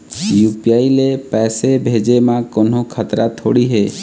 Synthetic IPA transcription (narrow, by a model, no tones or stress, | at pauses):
jupiailepɛsebʱed͡ʒemãkonokʰat̪ɾat̪ʰo̰ɽiɦe